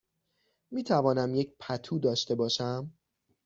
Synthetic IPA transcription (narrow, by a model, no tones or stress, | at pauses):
miːt̪ʰævɒːnæmjecpʰæt̪ʰuːd̪ɒːʃt̪e̞bɒːʃæm